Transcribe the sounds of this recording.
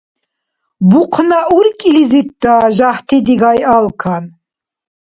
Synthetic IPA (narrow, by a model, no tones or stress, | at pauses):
buqʰnaʔuɾkʼilizit̪̚d̪aːʒaht̪ʰid̪iɡajalkʰan